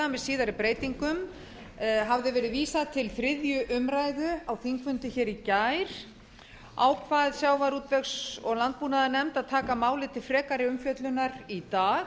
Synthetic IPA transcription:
amɛðsiːðaɾɪpɾeːjt̪iŋkʏm | ɦavðɪvɛːɾɪðviːsaðt̪ʰɪlθɾɪðjʏʔʏmɾaːjðʏawθiŋkvʏnt̪ʏçɛːɾicajɾ̥ | a̰ːwkʰvaːðsjaːwvaɾuːt̪vɛksɔɣlant̪̚puːnaðanɛmt̪aðt̪ʰaːkamaːwlɪt̪ʰɪlfɾɛːkaɾɪʏmfjœt̪lʏnaɾit̪aːɣ

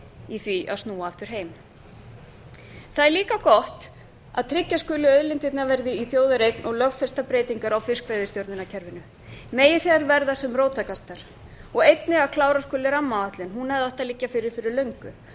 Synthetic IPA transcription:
iθviʔa̰ðst̪nuːaːft̪ʏɾ̥ɦeːjm | θaðɛɾliːkakɔht̪ | a̰ðt̪ʰɾɪcːaskʏlɪœðlɪnt̪ɪt̪navɛɾðɪiθjoːwðaɾejknʔɔɣlœɣfɛst̪apɾeːjt̪iŋkaɾawfɪskveːjðɪst̪jowɾʏnacʰɛɾvɪnʏ | meːjɪθɛɣaɾvɛɾðasɛmroːwt̪akast̪aɾ̥ | ɔɣejt̪nɪakʰlaːwɾaskʏːlɪɾamːaaht̪lʏnɦunɛðɔht̪aðlɪcːafɪɾɪɾ̥fɪɾɪɾlœɥŋkʏ

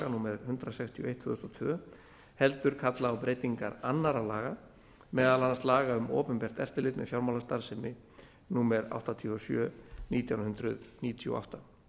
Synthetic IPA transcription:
anuːmɛɾhʏnt̪ɾasɛkst̪ʰiɔejht̪fvʏðʏst̪ɔt̪ʰvʏ | hɛlt̪ʏɾ̥kʰat̪laawpɾejt̪iŋkaɾanːaɾalaːɣa | mɛːðalanːast̪laːɣaʏmɔ̰ːpʏmpɛr̥t̪ɛ̰ft̪ɪlɪt̪nɪ̰fjawɾmawlast̪aɾsɪmɪ | nuːmɛɾa̰wht̪at̪ʰiɔsjœːniːt̪jawnhʏnt̪ɾʏðniːt̪ʰiṵʔa̰wht̪a

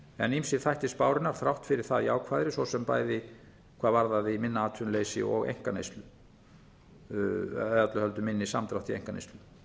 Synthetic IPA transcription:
ɛ̰nːimsɪðθajht̪ɪspaːwɾɪnaɾ̥θɾawht̪fɪɾɪɾ̥θaðiaːwkʰvaːðɾɪsvɔsɛmpa̰ːjðɪ | kʰvaːðvaɾðaðɪmɪnːaaːt̪ʰʏnleːjsɪ̰ɔɣḛjŋ̥kanḛjst̪lʏ | ðat̪lʏhœlt̪ʏmɪnːɪsamt̪ɾawht̪iḛjŋ̥kanḛjst̪lʏ

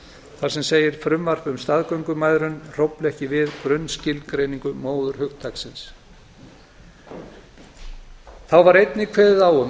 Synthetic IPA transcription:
θaɾsɛmseːjɪɾ̥fɾʏmvaɾ̥fʏmst̪aðkœɥŋkʏmaːjðɾʏnr̥owplɛhcɪvɪðkɾœɥnscɪlkɾejnĩŋkʏmoːwðʏɾ̥hʏxt̪ʰaksɪns | θawvaɾejt̪nɪkʰvɛːðɪðawʏm

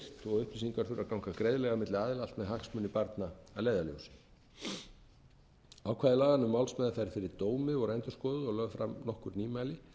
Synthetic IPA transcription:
t̪ɔɣʏhplisiŋkaɾ̥fɪɾakawŋkakɾejðlɛɣamɪt̪lɪaːðɪlalt̪mɛðɦaksmʏnːipaɾt̪naaðleːjðaljo̰ːwsɪ̥ | awkʰvaːðɪlaːɣanʏmːawlsmɛːðafajɾfɪɾɪɾt̪oːwmɪɔɣɾɛjnt̪ʏ̥skɔːðʏɔɣlœːɣfɾamnɔhkʏɾniːmajlɪ

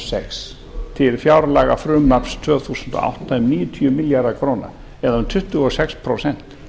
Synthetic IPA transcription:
sɛks | t̪ʰɪlfjawɾlaːɣafɾʏmnapst̪ʰvœːθuːsʏnt̪ɔ̰ʔa̰wht̪aɛmniːjʏt̪ʰʏʏmɪljaɾðakʰɾoːna̰ | ɛðaʏmt̪ʰʏht̪ʏɔsɛkspʰɾosɛn̥t̪

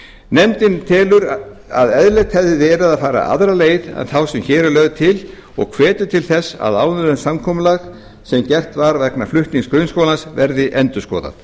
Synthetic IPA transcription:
nɛmt̪ɪnt̪ʰɛːlʏɾa̰ðɛðlɛt̪hɛððɪðɛɾaðaðfaːɾa̰ʔa̰ðɾaleːjðɛ̰nθawsɛmçɛːɾʏlœːɣðt̪ʰɪl | ɔ̰ɣkʰvɛːt̪ʏt̪ʰɪlθɛsːa̰ðaːwnʏɾʏnsamkʰɔːmʏlax | sɛmcɛr̥t̪vaɾvɛknaflʏht̪niŋskɾœːɥnskoːlasvɛɾðɪʔɛnt̪ʏ̥skɔ̰ːða̰θ

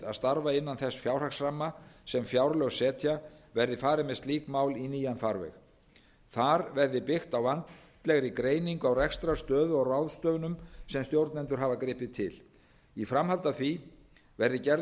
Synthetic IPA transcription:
a̰ðst̪aɾvaɪnːanθɛsfjawr̥aksramːasɛmfjawɾlœɣsɛːt̪ʰjavɛɾðɪfaːɾɪmɛst̪liːkmawliniːjanfaɾvɛ̰x | θaɾvɛɾðɪpɪxt̪awvant̪t̪lɛɣɾikɾeːjniŋkʏawrɛkst̪ɾast̪œːðʏɔɣrawðst̪œːvnʏmsɛmst̪jowɾt̪nɛnt̪ʏɾ̥ɦaːvakɾɪːpɪt̪ʰɪl | ifɾamhalt̪aθvi | vɛɾðɪcɛɾ

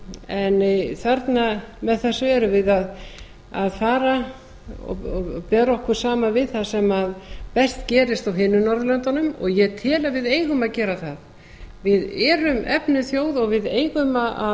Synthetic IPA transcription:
ɛnθaɾt̪namɛðθasɛɾʏvɪðað | aðfaːɾa | ɔ̰ɔpɛːɾɔhkʏɾ̥saːmavɪðθaðsɛmaðpɛst̪cɛːɾɪst̪awɦɪnːʏnɔɾðʏlœnt̪anʏmɔ̰ɣjɛt̪ʰɪlavɪðeːjɣʏmaðcɛːɾaθað | vɪðɛːɾʏmɛpnʏθjoːwðɔɣvɪðeːjɣʏmaa

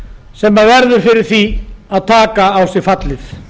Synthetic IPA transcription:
sɛmːaðvɛɾðʏɾ̥fɪɾɪɾ̥θiaðt̪ʰaːkaːwsɪɾfat̪lɪθ

